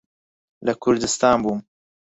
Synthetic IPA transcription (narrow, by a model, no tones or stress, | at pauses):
lɐkʰʊɾd̪ɨst̪ɑːnbuːm